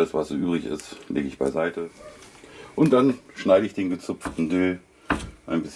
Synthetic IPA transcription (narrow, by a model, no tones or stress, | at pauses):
ləsv̥asz̥oːʔyːbʁɪçɪ̰stlḛːɡəɪçb̥a̰ɪzaɪtʰə | ʔʊntd̥anʃnaɪɾəɪçd̥eːnɡət͡sʊp͡ftn̩døː | ʔaɪnbɪs